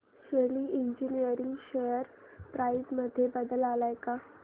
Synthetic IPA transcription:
ɕeliːiɲd͡ʑiniəɾiŋɡɕejəɾ | pɾaizməd̪ʱːjebəd̪əlalajka

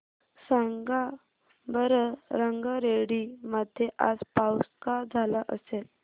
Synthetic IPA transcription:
səŋɡa | bəɾəɾəŋɡəɾeɽiməd̪ʱjeʔa̰d͡zpawskad͡zʱalaʔə̰sel

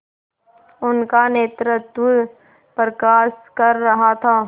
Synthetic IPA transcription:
ʊnkaneːt̪ɾət̪ | pɾkaːskɐɾːɐɦat̪ʰaː

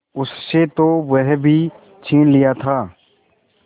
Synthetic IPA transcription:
ʊsset̪oʋɛɦbʱiː | t͡ʃʰiːnlɪjat̪ʰaː

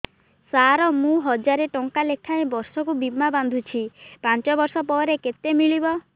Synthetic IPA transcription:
saɾɔmũɦɔd͡ʒaɾeʈɔŋkalekʰaẽbɔɾsɔkubimːaband̪ʱut͡ʃʰipant͡ʃɔbɔɾsɔpɔɾeket̪emiɭibɔ

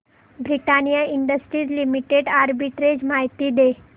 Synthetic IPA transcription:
bɾiʈanijaiɳɖəsʈɾiːɾlimiʈeɖaɾbiʈɾed͡ʑmaɦt̪iːd̪e

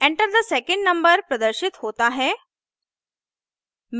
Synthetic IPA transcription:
ẽɳʈəɾd̪əsɛkə̃ɳɖnɐ̃mbəɾpɾɐd̪əɾʃit̪ɦoːt̪aɦɛ | m

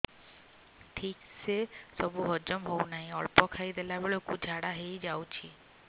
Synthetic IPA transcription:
ʈʰiksesɔbuɦɔd͡ʒɔmɦownaɦĩɔɭpɔkʰajd̪elabeɭokud͡ʒʱaɽaɦejd͡ʑawt͡ʃʰi

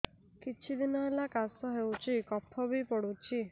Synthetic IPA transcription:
kit͡ʃʰid̪inɔɦelakasɔɦewt͡ʃʰikɔpʰɔbipɔɽut͡ʃʰi

